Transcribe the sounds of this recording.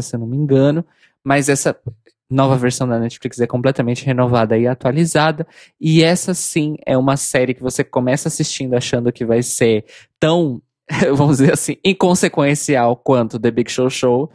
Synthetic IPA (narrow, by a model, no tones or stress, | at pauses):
sewnũmĩŋɡɐ̃nʊ | mɐzɛsɐ | nɔvɐveɾsɐ̃w̃d̪ɐnɛt͡ʃi̥flikzɛkõplɛt̪ɐmẽnt͡ʃɪɦenovad̪ɐɪat̪ualizad̪ɐ | ɪɛsɐsĩɛ̰ũmɐsɛɾɪkɪvosekõmɛsɐasist͡ʃĩnd̪ʊaʃɐ̃nd̪ʊkɪvajseɾt̪ɐ̃w̃ | ɛvɐ̃mʊzd͡ʒzeɾasĩẽkõsekwẽsiawkwɐ̃nt̪ʊd̪ebiɡʃowʃow